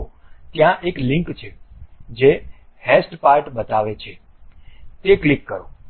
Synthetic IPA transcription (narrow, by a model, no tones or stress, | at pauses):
t̪jãʔeklɪ̃ŋkt͡ʃʰed͡ʒehesʈpaɾʈbət̪aʋet͡ʃʰe | t̪eklikːəɾõ